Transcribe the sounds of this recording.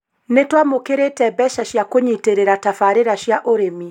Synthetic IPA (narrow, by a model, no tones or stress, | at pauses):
netwamokeɾetɛbɛʃaɕjakoɲiteɾeɾatafaɾeɾaɕjaʔoɾemi